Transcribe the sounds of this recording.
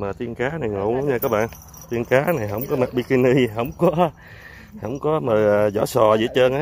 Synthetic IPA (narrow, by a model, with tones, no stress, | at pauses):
maː˨˩t̪i˧ənkaː˨˦na˨˩jŋo̰˨˧˨ə˨˦ŋ͡mɲaː˧kaː˨˦˥k̚ɓa̰ː˧˨n | t̪i˧ənkaː˨˦na˨˩jɦə˧˥wŋ͡mkɔ˨˦ma˨˩t̚ɓi˧ki˧ni˧ɦə˧˩wŋ͡mkɔ˨˦ | hə˧˩˦wŋ͡mkɔ˨˦məː˨˩ʔəː˨˩zɔ̰˧˥sɔ˨˩zḭ˧˩˦t͡ɕəː˧na˨˦